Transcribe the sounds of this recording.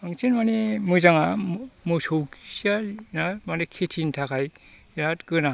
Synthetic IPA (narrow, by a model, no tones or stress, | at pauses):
ɯŋt͡ʃenmanimujzaŋamusowsialnamanɯkʰetʰintʰakʰaj | ɾatkɯna